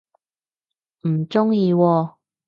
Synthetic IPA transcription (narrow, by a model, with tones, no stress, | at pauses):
m̩˨˩t͡ʃʊ˥ŋjiː˧wɔː˧